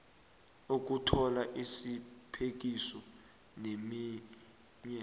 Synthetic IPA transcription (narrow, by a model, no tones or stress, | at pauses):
uk̬utʰɔlaʔisipʰek̬isɔ | nemi | ɲɛ